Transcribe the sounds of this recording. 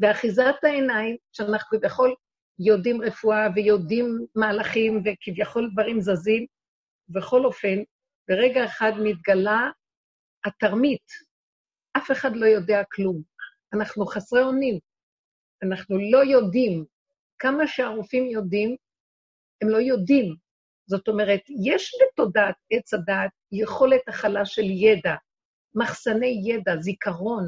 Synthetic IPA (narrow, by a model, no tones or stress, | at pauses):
veaχizat̪ae̞naimʃeanaχnukivjaχo̞l | jo̞dimʁefuavejo̞dimːaːlaχimvekivjaχo̞ldvaʁimzazim | ve̞χo̞lo̞fe̞n | beʁeɡaeχadmit̪̚ɡala | ataʁmit | ʔafe̞χadlo̞jo̞deaklum | anaχnuχasʁeo̞nim | anaχnulo̞jo̞dim | kamaʃeaʁufimjo̞dim | hemlo̞jodim | zo̞to̞meʁetjeʃbeto̞dat̪̚et͡sadaːt̪̚jeχo̞le̞t̪aχalaʃe̞ljeda | maχsane̞jːedazikaʁo̞n